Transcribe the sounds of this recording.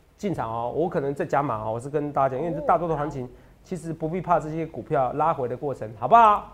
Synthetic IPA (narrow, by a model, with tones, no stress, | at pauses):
t͡ɕi˥˩nʈ͡ʂʰɑ˨˩˦ŋɔ˨˦wɔ˧˦˥kʰɤ˨˩nə˧˦ŋt͡sa˥˩ɪt͡ɕja˥ma̰˨˦ɔ˧˩wɔ˨˩ʂɻ̩˥˩kə˦nt̪a˥˧˩a˥t͡ɕi˥nwe˥˧˥t̪a˥˩t̪wɔ˥o˧˩wa˧˥nt͡ɕʰi˧˦ŋ | t͡ɕʰi˧˥ʂɻ̩˧˥pu˧˥pi˥˧pʰa˥˧ʈ͡ʂɤ˥˩ɕjɛ˦˥ku˨˩pʰjɑ˥˩ʊla˥xwe˧˥ɪd̪ə˧kwɔ˥˩ʈ͡ʂʰə˧˥ŋxɑ˨˩ʊba˧